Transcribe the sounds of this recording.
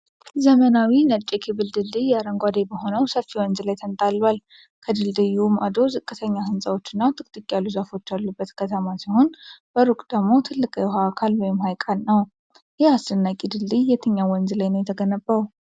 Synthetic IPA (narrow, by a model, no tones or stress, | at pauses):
zəmənawinət͡ʃʼːekʰiβɨld̪ɨld̪ɨjaɾəŋɡʷad̪ebəɦo̞nəwsəfːiwɔnzlajt̪ʰənt̪ʼalːwal | kʰəd̪ɨld̪ɨjumʔad̪o̞zɨkʼːɨt̪ʰəɲːahɨnsʼawo̞t͡ʃːɨnːat̪ʰɨkʼt̪ʰʼɨkʼjalːuzafo̞t͡ʃːalːubːət̪kʰət̪ʰəmasiho̞nb̥əɾukʼd̪̥əɡmo̞t̪ʰɨlːɨkʼjɛɦaːkʰalwɔjɪmhajkʼalnəw | jɛhasɨnːakʼid̪ɨld̪ijjɛt̪ʰɨɲːawɔnzlajnəwjɛt̪ʰəɡənəbːəw